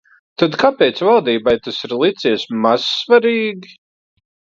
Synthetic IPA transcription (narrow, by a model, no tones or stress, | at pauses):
t̪ad̪kapʲɛːt̪svalˠd̪iːbajt̪asiɾlˠit̪siːɛsmaz̥svaɾiːɡʲi